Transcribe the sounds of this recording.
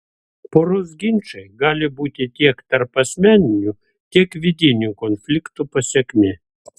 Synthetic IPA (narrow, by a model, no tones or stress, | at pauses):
poɾozɡʲɪnʲt͡ʃɐɪɡɑːlʲɪbuːt̪ʲɪt̪ʲiɛkt̪ɐɾpɐsʲmʲænʲɪnʲu | t̪ʲiɛkʋʲɪd̪ʲɪnʲukɔnʲfʲlʲɪkt̪upɐsʲɛkʲmʲɪ